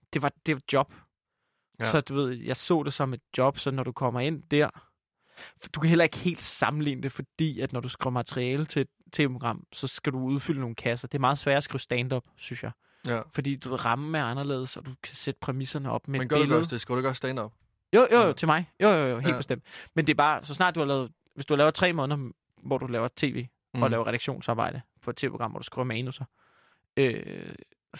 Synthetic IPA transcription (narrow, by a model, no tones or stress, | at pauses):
d̥e̝ʋɑ̈d̥e̝ʋɑ̈d̥jɒ̽b̥ | sɒ̽d̥uʋe̝ð̞̰ˠjɑ̈ɪsɔ̰̽ːd̥e̝sɒ̽me̝d̥̚jɒ̽b̥sɒ̽nːɒɾ̥ukʰɒ̽m̰ɐe̝n̰d̥æɐ̰ | d̥ukʰæɦel̰ɐe̝ɡ̥he̝̰ːld̥sɑ̈mn̩lḭːnəd̥e̝fɒ̽d̥ḭːæd̥nɒɾ̥usɡ̥ʁiʊɐmæt͡sʰəʁiɛːlət͡sʰe̝d̥̚t͡sʰe̝̰ːʋəpʰoɡ̥ʁɑ̈m̰sɒ̽sɡ̥æd̥uuð̞ˠfyləno̝ːn̩kʰæsɐd̥e̝æɐmɑ̈ːð̞̩ˠsʋæɐæsɡ̥ʁiːʊsd̥ɛnd̥ɒ̽b̥synsjɑ̈ɪ | fɒd̥ḭːd̥uʋeʁɑ̈mmeæɑnɐle̝̰ːð̞ˠsɒ̽d̥ukʰæsed̥ə̥pʰʁɛmisɐnəɒ̽b̥memɡe̝lð̩ˠsˠd̥esɡ̥iʊdɡ̥sd̥ɛndɒb̥ | jojojot͡sʰe̝mɑ̈ɪjojojoɦḛlb̥esd̥em̰d̥mend̥e̝æɐb̥ɑ̈ːsɒ̽snɑ̈ːd̥̚uhɑ̈lɛːð̞ˠ | ʋe̝sd̥uhɑlɛːʊt͡sʰʁɛ̰ːmɔ̽ːn̩ˠɐ | ʋɒ̰d̥ulɛːʊɐt͡sʰe̝̰ːʋe̝̰ː | ɒ̽lɛːʊɐʁɛɾɑɡ̥ɕo̝̰ːnsɑ̈ːbɑ̈ɪ̰d̥əpʰɒ̽e̥t͡sʰe̝ːepʰo̥ɡ̥ɑ̈m̰ʋɒ̰ːd̥usɡ̥ʁḭːɐmɛːnusɐ | ø